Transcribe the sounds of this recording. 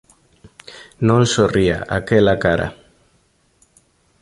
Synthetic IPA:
nõnsoria̰ʔa̰kelakaɾa̰

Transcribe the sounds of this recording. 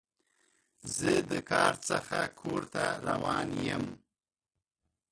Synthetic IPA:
zəd̪əkʰɑɾt͡səxakʰoɾt̪aɾawɑnjəm

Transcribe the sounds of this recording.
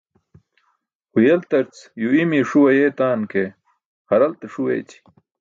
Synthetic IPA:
hujelt̪ɐɾt͡sjuimiʂuwɐjeːt̪aːnke | hɐɾɐlt̪eʂuwḛːt͡ɕʰi̥

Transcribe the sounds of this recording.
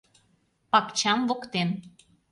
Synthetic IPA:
pɑkt͡ɕɑmvokt̪en

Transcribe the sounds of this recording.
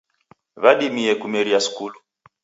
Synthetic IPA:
βaɗimiɛkumɛɾiasu̥kulu

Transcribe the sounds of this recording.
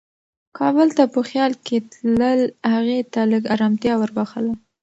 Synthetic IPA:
kʰɑbəlt̪apəxjɑlket̪ləlhaɣet̪aləɡaɾɑmt̪jɑwəɾbaxəla

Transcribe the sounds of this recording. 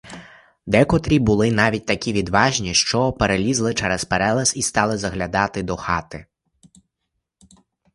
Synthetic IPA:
d̪ɛkɔt̪ɾʲibʊlˠɪnɑʋʲit̚ʲt̪ɐkʲiʋʲid̪ʋɑʒnʲiʃt͡ʃɔpeɾelʲizlˠɪt͡ʃɛɾɛspɛɾɛlˠɛsist̪ɑlˠɪzɐɣlʲad̪ɑt̪ɪd̪ɔxɑt̪ɪ

